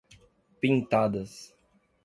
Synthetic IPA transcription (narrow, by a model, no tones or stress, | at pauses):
pĩnt̪ad̪ɐs